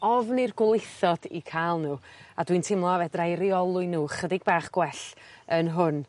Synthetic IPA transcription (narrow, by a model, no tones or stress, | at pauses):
ɔvnirɡwlˠejθɔd̥ḭkʰalˠnuːadwintʰɪmlˠɔvɛdrajɾiɔlˠʊɨnuːχədɪɡ̚baːχɡ̥wɛɬənɦʊn